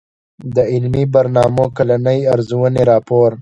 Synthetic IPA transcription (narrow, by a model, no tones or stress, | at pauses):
d̪əɪlmibaɾnɑːmokalanəjaɾzuwəneɾɑːpoːɾ